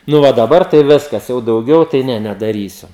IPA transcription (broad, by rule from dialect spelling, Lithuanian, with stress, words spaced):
nʊ ˈʋɐ dɐˈbɐr tɐɪ ˈʋʲɪskɐs jɛʊ dɐʊˈɡʲɛʊ tɐɪ ˈnʲɛ nʲɛdɐˈrʲiːsʲʊ